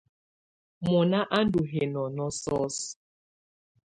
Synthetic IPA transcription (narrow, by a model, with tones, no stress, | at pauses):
mɔ˨na˦ʔa˦n˦du˨ɦe˨nɔ˨nɔ˦sɔ˦s